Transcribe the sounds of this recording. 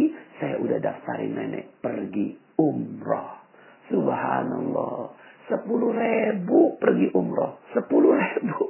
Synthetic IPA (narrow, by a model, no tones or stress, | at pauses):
isajaʔudahdaft̪aɾɪ̰nːenɛ̰ʔpərɡi | umrɔh | subhanalːɔsəpuluhrebupərɡiʔumrɔ̰hsəpuluhrebu